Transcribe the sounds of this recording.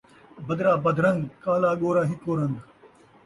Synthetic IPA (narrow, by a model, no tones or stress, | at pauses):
bɐd̪ɾaːbɐd̪ɾɐŋɡ̪kaːlaːɠoːɾaːɦikoːɾɐnd̪